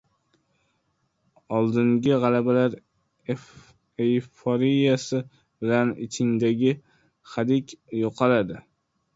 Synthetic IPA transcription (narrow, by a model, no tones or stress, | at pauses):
ɒlˠd̪ɪŋɡʲɪʁɑlabalaɾ | ejfoɾijasɪ | bɪlanɪt͡ʃʰɪŋd̪aɡʲɪ | χad̪ɪkʲjoqʰɑɾad̪ɪ